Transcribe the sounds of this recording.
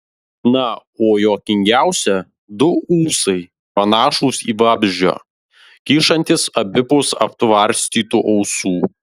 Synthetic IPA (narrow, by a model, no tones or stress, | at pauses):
nɐoːjoːkʲɪŋʲɡʲæˑʊsʲɛ | d̪ʊuːsɐɪ | pɐnɑːʃuːsḭːʋɑːbʲʒʲd͡ʒʲo̰ː | kʲiːʃɐnʲt̪ʲɪsɐbʲɪpʊsɐ̰p̚t̪ʋɐɾʲsʲt̪ʲiːt̪uːʔɐʊsuː